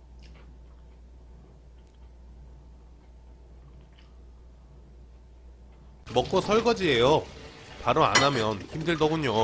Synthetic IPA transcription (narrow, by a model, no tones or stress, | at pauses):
mʌk͈osʰʌɭɡʌd͡ʑiejopaɾoa̰namjʌnçimdɯɭdʌɡuɲo